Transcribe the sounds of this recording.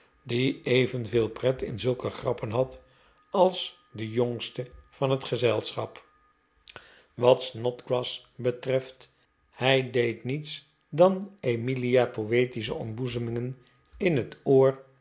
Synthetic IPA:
diejvənvɪːlˠprɛtɪ̰nzɵlˠkəχrɑpənɦɑt | ɑlˠs | dəjɔŋstəv̥ɑnɦətχəzɛlˠsχɑ̰p | ʋɑtsnɔtɡɹɑsbətrɛft | hɛjdejtnits | dɑnemiliapowejtis̬ə̰ɔmbuzəmɪŋən | ɪnɦətoːr

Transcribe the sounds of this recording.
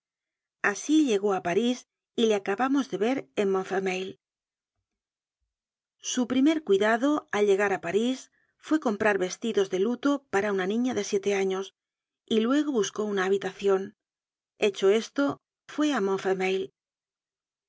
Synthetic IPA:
asiʎe̞ɣo̞apaɾis | ile̞akaβamo̞zðe̞βe̞ɾenmõɱfemejl | supɾime̞ɾkwiðaðo̞alʎe̞ɣaɾapaɾis | fwe̞ko̞mpɾaɾβe̞st̪iðo̞zðe̞lut̪o̞paɾaunanĩɲaðe̞sje̞t̪e̞aɲo̞s | ilwe̞ɣ̞o̞βusko̞unaːβit̪aθjo̞n | e̞t͡ʃo̞e̞st̪o̞ | fwe̞amõɱfemejl

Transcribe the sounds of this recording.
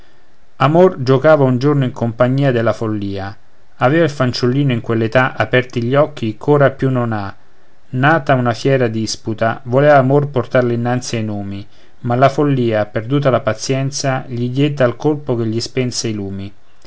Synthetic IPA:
amord͡ʒokaːvaund͡ʒornoiŋkompaɲːiːad̪elːafolːiːa | avɛːvailfant͡ʃulːiːnoiŋkwelːet̪aʔapɛrt̪iʎːɔk̟ːikʰoːɾapjunːona | naːt̪aunafjɛːɾad̪isput̪avolɛːvaːmorport̪arleinːant̪siajnoːmi | malafolːiːaperd̪uːt̪alapat̪sjɛnt̪saʎid̪jed̪ːaːlkolpok̟eʎːispɛnseiluːmi

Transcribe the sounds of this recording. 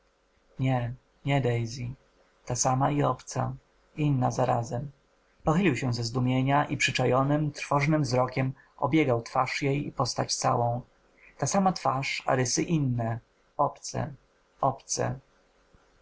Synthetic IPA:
ɲɛ | ɲɛd̪ɛjzʲi | t̪asamaiɔpt̪sa̰ | inːazaɾazɛm | pɔxɘlʲiwɕɛ̃zɛzd̪umʲjeɲaʔipʂɘt͡ʂajɔnɘmt̪ɾfɔʐnɘmvzɾɔkʲɛm | ɔ̰bʲjeɡawt̪faʂjejipɔst̪at͡ɕt̪sawɔ̃w̃ | t̪asamat̪faʂa̰ɾɘsɘʔinːɛ | ɔpt̪sɛ̰ | ɔpt̪sɛ̰

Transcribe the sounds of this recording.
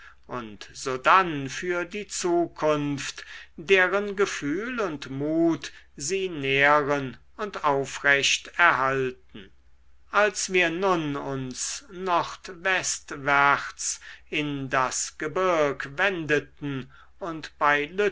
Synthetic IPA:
ʔʊntz̥oːdanfyːɐdiːt͡suːkʰʊnftd̥eːʁənɡəfyːlʊntmuːt | ziːneəʁən | ʊntaʊfʁɛɕtɛɐɦaltn̩ | ʔalsv̥iːɐnʊnʊnsnɔχt̪vɛst̪væχsɪndasɡ̥əbɪɐkvɛndətn̩ | ʊntb̥aɪlø

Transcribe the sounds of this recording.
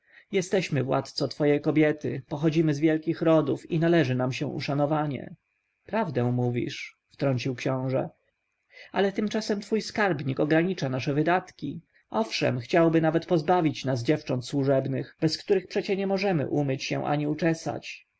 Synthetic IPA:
jɛst̪ɛɕmɘvwa̰t̪t̪sɔt̪fɔjɛjkɔbʲjɛt̪ɘ̰pɔxɔd͡ʑimɘzvʲjɛlkʲixɾɔd̪ufinalɛʐɘnamɕɛ̰̃ʔṵʂanɔvaɲɛ̰ | pɾavd̪ɛ̃w̃muvʲḭʂ | ft̪ɾɔɲʲt͡ɕiwkɕɔ̃w̃ʐɛ̰ | a̰lɛt̪ɘmt͡ʂasɛmt̪fujskaɾbɲikɔɡɾaɲit͡ʂanaʂɛvɘd̪at̪kʲi | ɔfʂɛ̰mxt͡ɕawbɘnavɛt̪pɔzbavʲit͡ɕnasd͡ʑɛft͡ʂɔnt̪swuʐɛbnɘxbɛskt̪uɾɘxpʂɛt͡ɕɛɲɛmɔʐɛmɘ̰ʔumɘt͡ɕɕɛ̰w̃ʔa̰ɲiut͡ʂɛsa̰t͡ɕ

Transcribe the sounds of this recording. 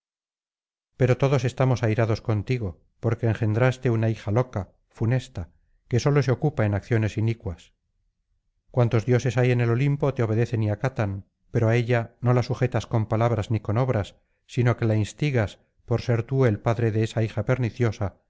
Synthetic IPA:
pe̞ɾo̞t̪o̞ðo̞se̞st̪amo̞sajɾaðo̞sko̞nt̪iɣo̞ | po̞ɾke̞ːŋxe̞nd̪ɾast̪e̞unaixalo̞ka | fune̞st̪a | ke̞so̞lo̞seo̞kupae̞nakθjo̞ne̞sinikwas | kwant̪o̞zðjo̞se̞saje̞ne̞lo̞limpo̞t̪eo̞βe̞ðe̞θe̞niakat̪an | pe̞ɾoaeʎano̞lasuxe̞t̪asko̞mpalaβɾazniko̞no̞βɾasː | ino̞ke̞lainst̪iɣas | po̞ɾse̞ɾt̪uelpaðɾe̞ðe̞esaixape̞ɾniθjo̞sa

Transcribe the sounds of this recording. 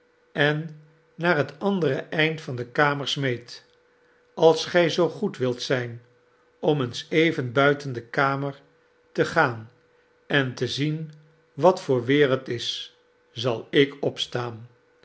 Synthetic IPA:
ɛnː | aːɹɦətɑndəɾəʔɛjntfɑndəkaːməɹsmejt | ʔɑlˠsχɛjzowχutʋɪlˠtsɛjn | ɔmənsejvənbœɥtəndəkaːməɹ | təχaːn | ɛntəzin | ʋɑtfʊːɹʋɪːɾəlˠtɪs | zɑlˠɪkɔpstaːn

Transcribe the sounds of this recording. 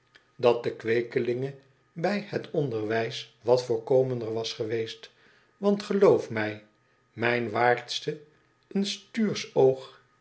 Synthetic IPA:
dɑt̚dəkʋejkəlɪŋə | bɛjhətʰɔndəɹʋɛjsʋɑtfʊːɹkowməndəɹʋɑsχəʋejst | ʋɑntχəlowfmɛj | mɛjnʋaːɹtstə | ənstyːɹsowχ

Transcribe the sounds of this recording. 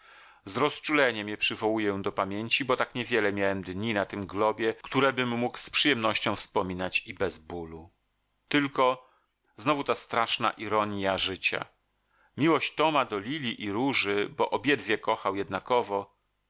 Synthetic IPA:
zɾɔst͡ʂulɛɲɛmʲɲɛpʂɘvɔwujɛd̪ɔpamʲjeɲt͡ɕibɔt̪akɲɛvʲjɛlɛmʲjawɛmd̪ɲinat̪ɘmɡlɔbʲjɛkt̪uɾɛbɘmːukspʂɨjɛmnɔɕt͡ɕɔ̃w̃fspɔmʲinat͡ɕibɛzbulu | t̪ɘlkɔ | znɔvut̪ast̪ɾaʂna̰ʔiɾɔɲjaʐɘt͡ɕa̰ | mʲiwɔɕt͡ɕt̪ɔmad̪ɔlʲilʲiʔiɾuʐɘbɔʔɔbʲjɛd̪vʲjɛkɔxawjɛd̪nakɔvɔ

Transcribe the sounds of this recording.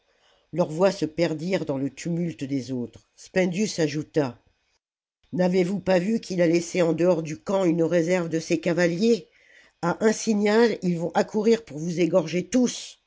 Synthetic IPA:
lœʁvwasəpɛʁd̪iʁd̪ɑ̃lət̪ʰymylt̪d̪ezot̪χ | spɛ̃nd̪ysaʒut̪a | navevupavykʲʰilalɛseɑ̃d̪əɔʁd̪ykɑ̃ynʁezɛʁvd̪əsekavalje | aʔɛ̃siɲalilvɔ̃ʔakʰuʁiʁpuʁvuzeɡɔʁʒet̪us

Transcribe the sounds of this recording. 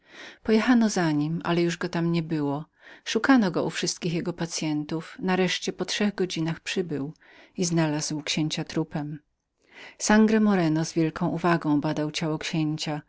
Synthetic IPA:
pɔjɛxanɔzaɲima̰lɛjuʐɡɔt̪amɲɛbɘwɔ | ʂukanɔɡɔufʂɘst̪kʲixjɛɡɔpat̪sʲjɛnt̪ufnaɾɛʂt͡ɕɛpɔtʂɛɣɡɔd͡ʑinaxpʂɘbɘw | iznalazwkɕeɲt͡ɕat̪ɾupɛm | saŋɡɾɛmɔɾɛnɔzvʲjɛlkɔ̃w̃uvaɡɔ̃w̃bad̪awt͡ɕawɔkɕeɲt͡ɕa

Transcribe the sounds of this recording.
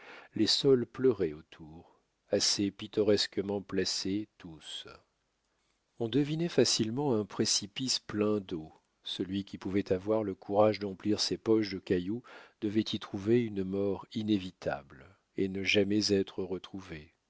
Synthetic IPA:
lesɔlplœʁɛot̪ʰuʁ | asepit̪ɔʁɛskəmɑ̃plaset̪us | ɔ̃d̪əvinɛfasilmɑ̃ɛ̃pχesipisplɛ̃d̪o | səlɥikʲipuvɛt̪avwaʁləkʰuʁaʒd̪ɑ̃pliʁsepɔʃd̪əkʲajud̪̥əvɛt̪ʰit̪χuveynəmɔʁinevit̪ʰa̰bl | enəʒamɛzɛt̪χəʁət̪χuve

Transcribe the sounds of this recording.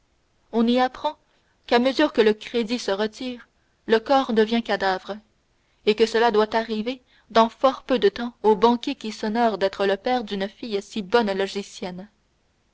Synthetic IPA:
ɔ̃niapχɑ̃ | kaməzyːʁkələkχed̪isəʁət̪iːʁ | ləkɔːʁd̪əvjɛ̃kad̪avʁə | ekəsəlad̪wat̪aʁive | d̪ɑ̃fɔʁpød̪ət̪ɑ̃obɑ̃kʲekʲisɔnɔʁd̪ɛt̪χələpɛːʁd̪ynfijsibɔnlɔʒisjɛn

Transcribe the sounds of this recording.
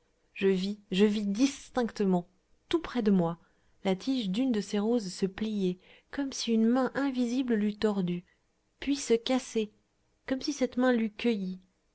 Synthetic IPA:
ʒəviʒəvid̪ist̪ɛ̃kt̪əmɑ̃ | t̪upχɛd̪əmwa | lat̪ʰiʒd̪ynd̪əseʁozsəplijɛkɔmsiynmɛ̃ʔɛ̃vizibllyt̪ɔʁd̪y | pɥisəkase | kɔmsisɛt̪mɛ̃lykʲəji

